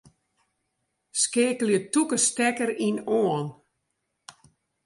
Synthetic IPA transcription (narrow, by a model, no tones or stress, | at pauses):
skeːkəljətukəstɛkəɾinoən